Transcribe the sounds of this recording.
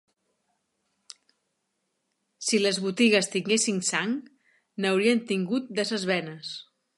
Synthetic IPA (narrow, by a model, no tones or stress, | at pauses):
siləzβut̪iɣəst̪iŋɡesiŋsaŋ | nawɾiənt̪iŋɡut̪̚d̪ɛsəzβɛnəs